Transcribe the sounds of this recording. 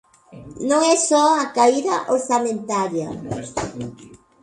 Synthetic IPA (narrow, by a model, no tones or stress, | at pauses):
nõŋɛsɔakaiðɐʔoɾsamẽnt̪aɾjɐ